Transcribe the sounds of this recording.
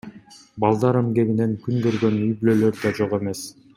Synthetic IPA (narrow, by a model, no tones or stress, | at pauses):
bɑlˠd̪ɑɾemɡe̞ɡine̞ŋkyŋɡøɾɡø̞nyjbylølø̞ɾd̪ɑd͡ʒo̞ʁe̞me̞s